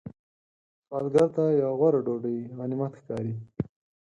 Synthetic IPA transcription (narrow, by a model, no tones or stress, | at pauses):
xɑlɡaɾt̪ajawɣwaɾaɖoɖəiɣanimat̪xkɑɾi